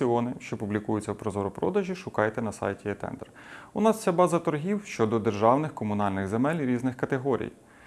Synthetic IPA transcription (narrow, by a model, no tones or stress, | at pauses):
iɔnɪʃt͡ʃɔpublʲikujʊt͡sʲːɐwpɾɔzɔɾʊpɾɔd̪ɐʒʲiʃʊkɑjt̪ɛnɐsɑ̰jtʲiɛt̪ɛ̰nd̪ɛr | ʊnɑst͡sʲabɑzɐt̪ɔɾɦʲiwʃt͡ʃɔd̪ɔd̪erʒɑwnɪxkɔmʊnɑlʲnɪɣzemɛlʲɾʲiznɪxkɐt̪eɦɔɾʲḭj